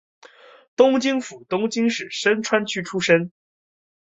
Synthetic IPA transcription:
t̪ʊ˥ŋt͡ɕi˥ŋfu˨˩t̪ʊ˥ŋt͡ɕi˥ŋʂɻ̩˨˩ʂə˥nʈ͡ʂʰwa˥nt͡ɕʰy˥ʈ͡ʂʰu˥ʂə˥n

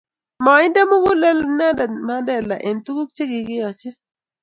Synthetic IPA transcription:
mɔ˨ɪ˦nda˦mʊ˦ɡu˦lɛ˦lna˦dma˦dɛ˨la̰˨ʔe˨ntu˦ku˦k̚t͡ʃe˦ɡɪ˨ɡɪ˦jɔ˨t͡ʃɛ˦

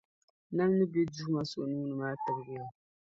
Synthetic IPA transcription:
na˦mnɨ˦be˦du˦hma˦so˨ʔnu˦nɨ˨maː˦ta˨bɡɨ˦ja˨

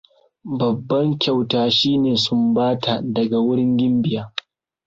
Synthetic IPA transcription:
bɐ˨bːɐ˦ŋkʲa˨wtaː˦ʃiː˦neː˨sʊ˦mbaː˦tʰa˨dɐ˨ɡa˨wʊ˦ɽɪ˦ŋɡʲɪ˦mbɪ˨jaː˦

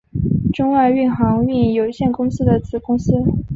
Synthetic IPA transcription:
ʈ͡ʂʊ˥ŋwa˥˧y˥˩nxɑ˧˥ŋy˥˧n˩jo˨˩ʊɕjɛ˥˩nkʊ˥ŋsɹ̩˥d̪ə˨t͡sɹ̩˨˩kʊ˥ŋsɹ̩˥

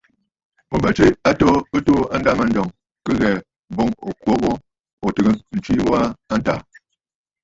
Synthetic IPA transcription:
mo˨bɛ˨t͡ʃi˦a˦to˦ə˦to˦a˦n̩˦da˦ma˨n̩˦dɔ˨ŋ | kə˦ɣɛ˨ | bo˦ŋo̰˨kwo˦ɣo˦ | o˨tɨ˨ɡə˦n̩˨t͡ʃi˦wa˦a˦n˦ta̰˨

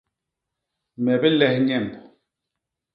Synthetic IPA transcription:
mɛ˨bɛ˦lɛ˦hɲɛ˦˨mbɔ˨

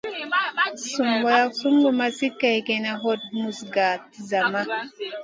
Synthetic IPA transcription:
su˨mbɔ˨ja˦ksu˦ŋɡu˦˨ma˦si˦kːa˨jɡɛ˨na˦ɦɔ˦t̚mu˨sɡaː˨ti˨za˨ma˦

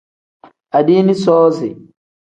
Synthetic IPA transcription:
a˨diː˦ni˦sɔː˦zi˨

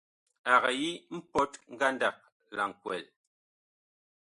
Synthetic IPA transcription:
a˨ɣa˨ji˦m̩˦pɔ˦tŋ̩˦ɡa˦nda˨k̚ | la˨ŋ˨kwɛ̰˨l

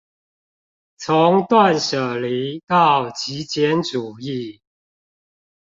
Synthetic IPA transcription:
t͡sʰʊ˧˦ŋt̪wa˥˨nʂə˨˩li˧˨˥t̪ɑ˥˩ʊt͡ɕi˧˥t͡ɕjɛ˧˦nʈ͡ʂu˨˩i˥˨

